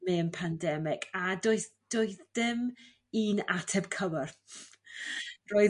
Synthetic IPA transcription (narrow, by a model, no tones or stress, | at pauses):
meənpʰandɛmɪɡadoɨθd̥oɨθd̥ɪm | iːna̰tʰɛb̥kʰəwər | roːɨ